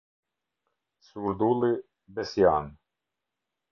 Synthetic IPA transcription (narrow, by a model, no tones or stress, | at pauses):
suɾd̪ulˠɨ | bɛsjan